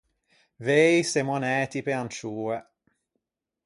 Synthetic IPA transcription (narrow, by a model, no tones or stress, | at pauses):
vejsemonɛːt̪ipeant͡ʃuːe